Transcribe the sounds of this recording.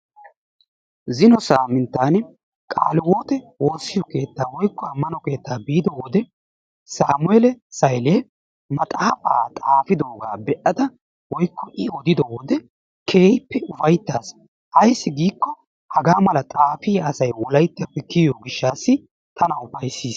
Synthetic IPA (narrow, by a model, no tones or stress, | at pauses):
zɪnɔsaːmɪnt̪ːaːn | kʼa̰ːlɪwoːt̪ɛwo̞ːsːɪjɔke̞ːt̪ːaːwɔjkːɔɐmːɐnɔke̞ːt̪ːaːbiːd̪ɔwɔd̪ɛ | saːmʊɛlɛsɐjleː | mɐt̪ʼaːpʼa̰ːt̪ʼaːfɪd̪oːɡa̰ːbɛʔɐd̪ɐ | wɔjkːɔʔɪɔd̪ɪd̪ɔwɔd̪ɛ | kʰeːjpːɛʊfɐjt̪ːaːs | ʔɐjsːɪɡiːkːɔ | hɐɡaːmɐlɐt̪ʼaːfiːɐsɐjwɔlɐjt̪ːɪpːɛkːɪjoːɡɪʃːaːsːɪ | t̪ʰɐnɐʊfɐjsːiːs